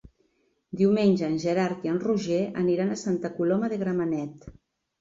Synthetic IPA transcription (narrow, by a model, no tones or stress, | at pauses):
d̪iwmenʲʒəːnʒeɾaɾkiənruʒeə̰niɾanəsant̪əkulɔməðeɣɾamanɛt̪